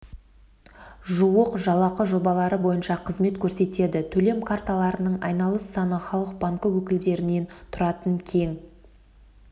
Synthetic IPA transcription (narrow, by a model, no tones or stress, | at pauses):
ʒuwəqʒɑlˠɑqəʒo̞bɑlˠɑɾəbo̞jənʃɑqʰəzme̞t̪kʲʰɵɾse̞t̪e̞d̪ɪt̪ʰɵle̞mkʰart̪alˠɑɾənəɴɑ̰jnɑlˠəsːɑnəχɑlˠəq̚bɑŋkəwɵkʲɪld̪e̞ɾɪne̞nt̪ʰʊɾɑt̪əŋkʲʰe̞ŋ